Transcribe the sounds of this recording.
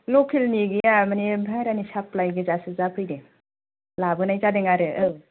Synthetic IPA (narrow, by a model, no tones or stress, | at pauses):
lɔkʰelniɡijamanebʱajɾanisaplajɡɯzasɯzapʰɯjde | labɯnajzadeŋaɾɯʔɯw